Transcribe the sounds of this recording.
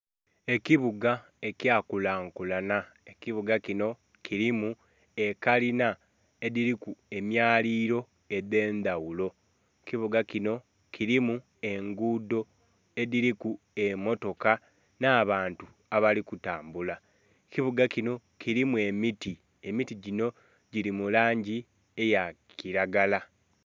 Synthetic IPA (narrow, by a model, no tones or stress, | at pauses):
e̞kiβuɡa | e̞cjaːkulaːŋkulana | ekiβuɡakino̞ | kʰiɾimu | e̞kalina | e̞ðiɾikue̞mjaːliːɾo̞ | e̞ðe̞ːndawulo̞ | kiβuɡakino̞ | kʰiɾimu | e̞ŋɡuːdo̞ | e̞ðiɾiku | e̞mo̞to̞ka | naːβaːntu | aβalikutaːmbula | kiβuɡacino̞ | ciɾimue̞miti | e̞mitiɟino̞ | ɟiɾimulaːɲɟi | e̞jakiɾaɡala